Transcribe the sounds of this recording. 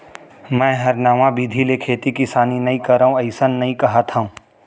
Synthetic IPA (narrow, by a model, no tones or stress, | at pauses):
mɛ̃ːɦɐɾnaːʋãbiːd̪ʱilekʰeːt̪ikisaːninɐɦĩkɐɾaũɐɪsənːɐɦĩkɐɦat̪ʰaũː